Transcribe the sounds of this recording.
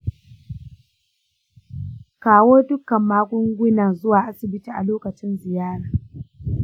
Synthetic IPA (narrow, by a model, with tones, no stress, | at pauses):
kaː˨woː˦dʊ˦kɐ˨mːaː˦kʷʊ˦ŋɡʷʊ˦na˨zʊ˦waː˨ʔa˦sɪ˨bɪ˦tiː˨ʔa̰˨loː˦kɐ˨t͡ʃɪ˦nzɪ˨jaː˦ɽaː˨